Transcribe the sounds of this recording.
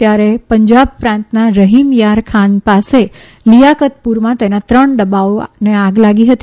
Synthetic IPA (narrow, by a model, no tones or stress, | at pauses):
t̪jaɾepəɲd͡ʒab̚pɾãnt̪naɾəɦimjaɾkʰanpase | lijakət̪̚puɾmãt̪enat̪ɾəɳɖ̪əbaoneaɡlaɡiɦət̪i